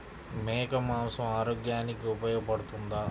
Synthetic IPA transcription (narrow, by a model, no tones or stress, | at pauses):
mɛːkɐmaːmsɐmaːɾoːɡjaːnikiupɐjoːɡɐpɐɽut̪und̪aː